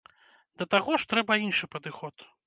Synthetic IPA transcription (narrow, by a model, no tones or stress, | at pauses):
d̪̥ɐt̪aɣɔʂt̪ɾɛbɐinʂɨpɐd̪ɨxɔt̪